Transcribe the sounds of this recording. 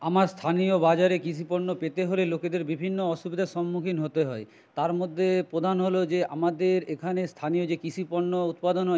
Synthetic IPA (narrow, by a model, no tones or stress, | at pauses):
amaɾst̪ʰaniobad͡ʑaɾekit͡ɕʰiponopet̪eɦoleloked̪eɾbibʱinːoɔʃubid̪ʱaʃɔmːukʰinɦot̪eɦɔe | t̪aɾmod̪ʱːepɾod̪ʱanɦolod͡ʑeʔa̰mad̪eɾekʰanest̪ʰanijod͡ʑekit͡ɕʰipoɾnout̪pad̪onɦɔ